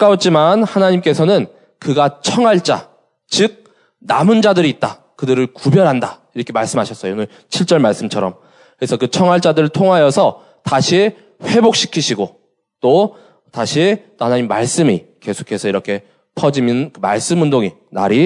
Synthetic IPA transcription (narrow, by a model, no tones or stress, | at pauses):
k͈aot̚t͡ɕ͈imanhanaɲimk͈e̞sʰʌnɯn | kɯɡat͡ɕʰʌŋɦaɭt͡ɕ͈a̰ | t͡ɕɯk̚ | namund͡ʑadɯɾiːt̚t͈a | kɯdɯɾɯɭkubjʌɾɦandaiɾʌkʰe̞maɭs͈ɯmɦaɕʰʌs͈ʌjoonɯɭ | t͡ɕʰiɭt͡ɕ͈ʌɭmaɭs͈ɯmt͡ɕʰʌɾʌm | kɯɾesʰʌkɯt͡ɕʰʌŋɦwaɭt͡ɕ͈adɯɾɯɭtʰoŋɦajʌsʰʌ | taɕʰi | ɸwe̞bok̚ɕ͈ʰi̥kʰiɕʰiɡo | t͈o | taɕʰit͈ohanaɲimːaɭs͈ɯmike̞sʰo̥kʰe̞sʰʌiɾʌkʰe̞ | pʰʌd͡ʑiminkɯma̰ɭs͈ɯmundoŋi | na̰ɾi